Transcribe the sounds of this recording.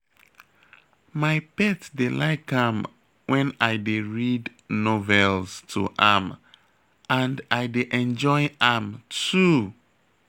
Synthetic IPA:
maɪpɛtdelaɪkʰãm | wʔɛ̃naɪdeɹid | novɛlstʰuʔam | ãndajdeʔɛ̃nd͡ʒɔɪamtu

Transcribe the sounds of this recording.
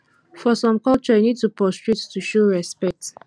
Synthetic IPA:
fɔsɔ̃mkɔlt͡ʃɔinid̚tupɹɔstɹettuʃoɹɛspɛk̚t

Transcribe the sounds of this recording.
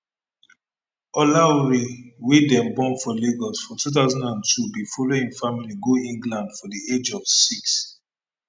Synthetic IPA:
ɔlaɹewedɛ̃mbɔ̃nfɔleɡɔsfɔtut̬aʊzɔ̃ndãntʰubifɔloĩnfamiliɡoĩŋɡlãndfɔdied͡ʒɔv̥siks

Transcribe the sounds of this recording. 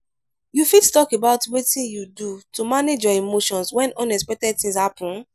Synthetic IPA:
jufittɔkebaʊtwetĩjudutumaned͡ʒɔimoʃɔ̃nswɛ̃nɔ̃nɛspɛk̚tɛd̚θĩŋshapũn

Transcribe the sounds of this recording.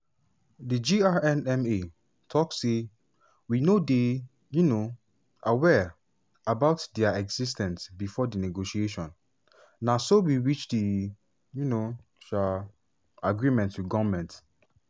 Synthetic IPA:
did͡ʒiaɛ̃nɛ̃me | tʰɔksːe | winode | juno | awɛ | abaʊtdɛaɛɡz̥is̬tɛ̃nsbifɔdinɛɡoʃieʃɔ̃n | nasowiɹit͡ʃdi | juno | ʃa | aɡɹimɛ̃ntwiɡɔvmɛ̃nt

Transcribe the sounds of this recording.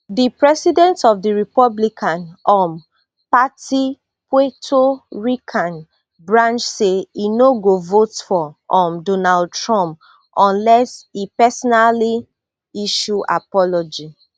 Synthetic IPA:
dipɹɛsidɛ̃ntɔfdiɹipɔblikʰãnɔ̃m | pati | pwetʰoɹikʰãn | bɹãnt͡ʃseinoɡovotfɔɔ̃mdɔnald̚tɹɔ̃mp | ɔ̃nlɛsipɛsɔnali | iʃuʔa̰pɔlɔd͡ʒi

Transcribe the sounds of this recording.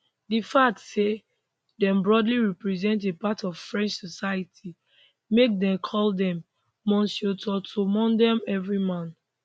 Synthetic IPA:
difak̚tse | dɛ̃mbɹɔdliɹipɹizɛ̃ntepatɔv̥fɹɛ̃nt͡ʃsɔsajitʰi | mek̚dɛ̃mkʰɔldɛ̃mː | ɔ̃nsjotʰɔtʰomɔ̃ndɛmɛvɹimãn

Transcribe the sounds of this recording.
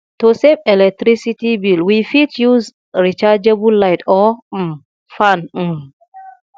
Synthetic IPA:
tosepɛlɛk̚tɾisitibilwifitjuz | ɹit͡ʃad͡ʒebulːajtɔ | fan̩m

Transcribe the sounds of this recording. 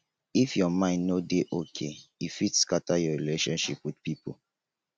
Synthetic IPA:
ifjɔmãɪ̃ndnodeʔokʰeifitskatajɔɹileʃɔ̃nʃipwidpipo̰

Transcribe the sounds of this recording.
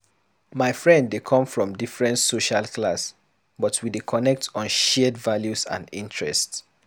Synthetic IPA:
maɪfɹɛ̃ndːekʰɔ̃ɱfɹɔ̃mdifɹɛ̃ntsoʃalklas | bɔtʰwidekʰɔnɛk̚tɔ̃nʃɛdvaljusã̰ndḭ̃ntʰɹɛ̰st

